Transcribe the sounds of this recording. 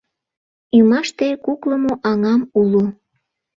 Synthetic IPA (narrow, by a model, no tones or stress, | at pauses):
ymɑʃt̪ekukləmoʔɑŋɑmulu